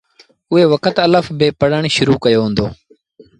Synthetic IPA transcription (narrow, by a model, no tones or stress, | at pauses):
ʊɦeːʋəkət̪ələfbeːpəɽəɳʃʊɾuːkəjoːɦʊ̃ːnd̪oː